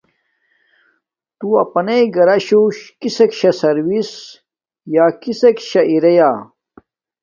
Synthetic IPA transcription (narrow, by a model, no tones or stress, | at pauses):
t̪uɐ̰pɐnejɡɐɾɐɕoɕkisekɕɐsɐɾwis | jaːkisekɕɐʔiɾɐjaː